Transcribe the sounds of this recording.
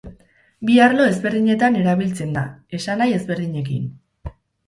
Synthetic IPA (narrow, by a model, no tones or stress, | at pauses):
biaɾlo̞e̞zβe̞ɾðiɲe̞t̪ane̞ɾaβ̞ilt͡se̞nd̪a̰e̞sanaje̞zβe̞ɾðiɲe̞kḭn